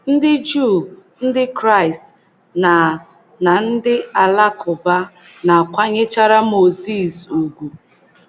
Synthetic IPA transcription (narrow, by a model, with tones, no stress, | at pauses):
n̩˦dɪ˦d͡ʒu˦˨n̩˦dɪ˦kɾa˦ɪ˨st | na˨ | na˨n̩˦dɪ˦a˨la˦kʊ˨ba˦ | na˨kʷa˦ɲe˦t͡ʃa˦ɾa˦mo˨zi˦˨zu˨ɡʷu˨